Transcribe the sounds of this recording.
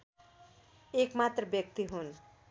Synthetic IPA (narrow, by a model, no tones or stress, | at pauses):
ekmat̪rʌbjʌk̚t̪iɦun